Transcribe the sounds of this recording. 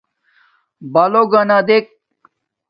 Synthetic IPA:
baloɡɐnad̪ek̚

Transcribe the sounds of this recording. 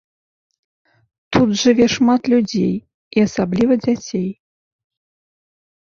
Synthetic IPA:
t̪ud̪ʐɨvʲɛʂmat̪lʲud͡zʲḛj | iasablʲivɐd͡zʲat͡sʲej

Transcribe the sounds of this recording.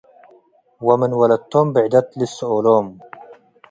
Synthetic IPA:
wɐmɪnwɐlɐt̪ːoːmbiʕd̪ɐt̪lisooːloːm

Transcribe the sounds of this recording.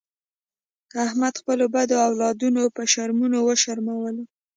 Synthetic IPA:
ahmad̪xpəlobad̪oawlɑd̪unopəʃaɾmunowəʃaɾmawəl

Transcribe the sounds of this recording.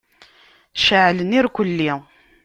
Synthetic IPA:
ʃəʕləniɾkʷəlːi

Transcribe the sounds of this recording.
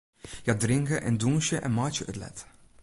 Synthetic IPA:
jɑdɾɪŋkəʔɛnduŋʃəʔɛ̰nmɑːt͡ʃəʔətlɛ̰t

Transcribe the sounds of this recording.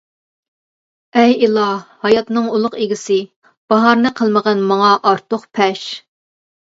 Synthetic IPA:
ɛjilˠɑhɑjɑt̪nɨŋulˠʊqeɡʲɪsɪ | b̥ɑɦɑɾnɨqʰəlˠməʁɑnmɑŋɑʔɑɾt̪ʰoχpʰɛʃ

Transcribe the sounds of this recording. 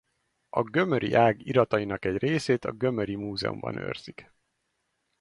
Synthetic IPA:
ɒɡø̞møɾʔḭʔaːɡiɾɒt̪ɒjinɒkɛɟreːseːt̪ɒɡø̞møɾimuːzɛ̰ṵmbɒ̰nø̰ːrz̥ik

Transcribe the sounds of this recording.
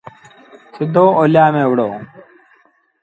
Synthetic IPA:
sid̪ʱːoːolːaːmeʋɽoː

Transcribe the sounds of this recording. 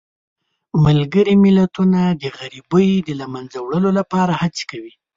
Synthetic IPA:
malɡəɾimɪlat̪unad̪əɣaɾibəjd̪əlamanzawɽəlolapɑɾahat͡se̥kawi

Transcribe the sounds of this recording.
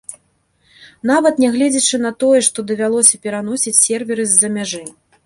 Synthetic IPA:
n̪avɐt̪nʲɛɣlʲɛd͡zʲit͡ʂɨn̪ɐt̪ɔjɛʂt̪ɔd̪ɐvʲalˠɔsʲɐpʲɛɾanɔsʲit͡sʲsʲɛrvʲɛɾɨzʲːɐmʲaʐɨ

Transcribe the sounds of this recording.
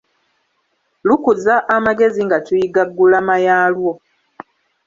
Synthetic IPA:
lukuzaʔːmaɡe̞ziŋɡatujiɡaɡːulamajaːlwo

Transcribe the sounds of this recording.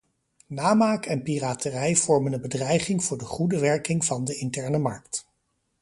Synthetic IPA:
naːmaːkʰɛnpiraːtərɛjv̥ɔɹmənənbədrɛjχɪŋvʊːɹdəχudəʋɛɹkɪŋvɑndəɪntɛɹnəmɑɹkt

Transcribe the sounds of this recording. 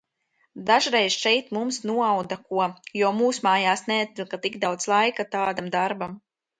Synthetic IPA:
d̪aʒɾɛjz̥ʃɛjt̪mumsnuɔawd̪akuɔjɔɔmuːsmaːjaːsnɛat̪̚ːʲilˠkat̪iɡd̪awd̪zlˠajkat̪aːd̪amd̪aɾbam

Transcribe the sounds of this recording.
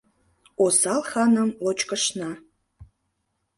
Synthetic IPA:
osɑlˠxɑnə̆mlot͡ɕkəʃnɑ

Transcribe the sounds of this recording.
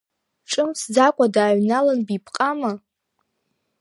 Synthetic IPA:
ʈ͡ʂʼɨmsd͡zakʷʼadaːɥnalanbipʰqʼama

